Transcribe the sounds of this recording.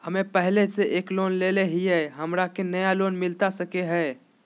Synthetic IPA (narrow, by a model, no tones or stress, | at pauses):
həmẽpɛɦleseʔeːkloːnleleɦiɦɛɦəmɾakenəjaloːnmɪlt̪asəkeɦɛː